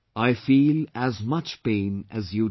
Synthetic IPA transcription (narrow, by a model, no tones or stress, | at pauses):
aɪfiːlæzmʌt͡ʃpẽɪ̃nɨzju